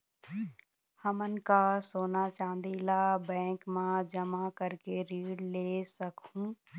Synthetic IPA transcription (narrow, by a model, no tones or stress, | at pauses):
həmənkasoːnat͡ʃãːnd̪ilabɛ̃ːkmãd͡ʒəmakəɾkeɾiːɽleːsəkũː